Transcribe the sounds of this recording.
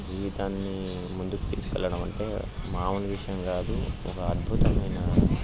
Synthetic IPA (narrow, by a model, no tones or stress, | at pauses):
d͡ʒiːʋit̪aːnːi | mund̪uku̥t̪ḭːsu̥kɛ̰lːɐɽɐmɐɳʈe̞̰ː | maːuniʋiʂɐjɐmɡaːd̪uɔkɐːd̪̚bʱut̪ɐmɐjnɐ